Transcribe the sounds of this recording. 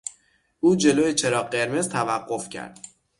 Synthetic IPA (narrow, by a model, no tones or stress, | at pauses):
ʔuːd͡ʒe̞loːjet͡ʃʰe̞ɾɒːɢe̞ɾmezt̪ʰævæɢːo̞fcʰæ̰ɾd̪̥